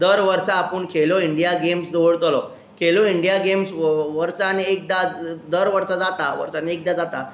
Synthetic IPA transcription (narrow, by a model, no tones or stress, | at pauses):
d̪əɾʋəɾsaːpəɳkʰeloiɳɖijaɡemsd̪ʱoɽt̪lɔ | kʰeloiɳɖijaɡemsʋəɾsaniek̚d̪ad̪əɾʋəɾsad͡zat̪aʋə̰ɾsaniek̚d̪ad͡zat̪a